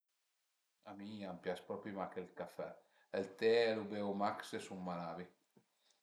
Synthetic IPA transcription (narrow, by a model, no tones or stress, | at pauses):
amiampjaspɾɔpɾimakelkafɛ | ɛlt̪ɛɛlubewmaksesumːalaːvi